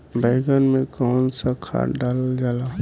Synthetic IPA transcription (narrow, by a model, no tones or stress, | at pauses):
bɛɪɡənmẽkɔːnsakʰa̰ːɖaːld͡ʒaːla